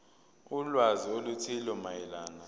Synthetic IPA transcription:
ulwaziolutʰilɔmajɛlaːna

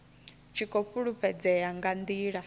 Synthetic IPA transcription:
t͡ʃʰikʼɔɸuɺuɸʰɛd͡zɛjaŋɡand̪iːɺa

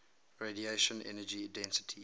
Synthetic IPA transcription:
ɹedieʃə̃nʔɛ̰nəd͡ʒiadɛ̃nsɪ̥tʰi

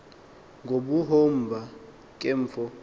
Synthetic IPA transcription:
ŋɡʱobuɦom̩bʱa | kʼeɱ̩ːfɔ

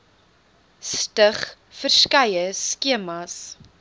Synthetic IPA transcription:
stəχ | fərskɐjəskiəmɐs

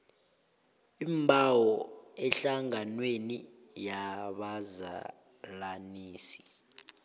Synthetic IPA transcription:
imbʱawɔɛɬaŋanweni | jaɓaza̰ | laniːsi̥

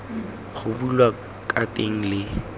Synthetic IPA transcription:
ɣʊbulwa | kʼatʼeŋ̩lɪ

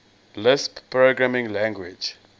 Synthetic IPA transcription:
lɪsppɹoɡɹamĩŋlãŋɡwid͡ʒ

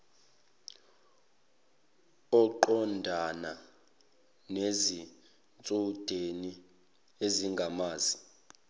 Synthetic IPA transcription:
ɔǃɔndʱana | nezi | nt͡sʼud̥ʱeni | eziŋɡʱamaːzi

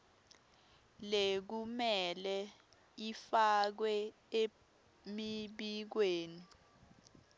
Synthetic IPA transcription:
lek̬umɛlɛ | ifak̬wɛ | e | miɓik̬weːni

